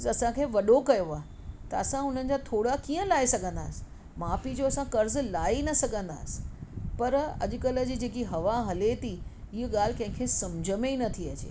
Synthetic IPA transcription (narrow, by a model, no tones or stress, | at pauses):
ɐsãkʰeːʋɐɗokɐjoaːɦe | t̪ɐɐsãɦʊn̤ənɪ̆d͡ʑaːt̪ʰoːɽakiːə̃laːesɐɡʱə̃nd̪a̰ːsɪ̥ | maːpid͡ʑoɐsãkɐɾzlaːinɐsɐɡʱə̃nd̪a̰ːsɪ̥pɐɾɐ̰ʄʊkələ̆d͡ʑiːd͡ʑeːkiɦɐʋaɦɐlet̪ʰi | ɪɦɠaːl̤ɪkɐ̃ɦɪ̃kʰeːsɐ̃md͡ʑʱəmenɐt̪ʰiɐt͡ɕḛː